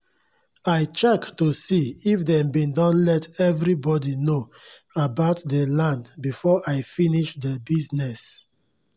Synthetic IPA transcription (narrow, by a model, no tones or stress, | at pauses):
aɪt͡ʃɛktusiifdɛ̃mbĩndɔ̃nlɛtʰɛvɹibɔdino | abaʊtdɛlãnbifɔʔaɪfiniʃdɛbiznɛs